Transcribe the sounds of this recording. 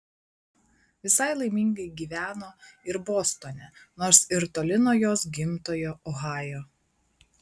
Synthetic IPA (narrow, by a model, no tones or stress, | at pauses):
ʋʲɪsɐɪlˠɐɪmʲiŋɡɐɪɡʲiːʋʲæːnoːɪɾboːst̪oːnʲɛnoːɾsɪɾt̪oːlʲɪnoːjoːsɡʲɪmt̪oːjoːʔɔɣɑːjoː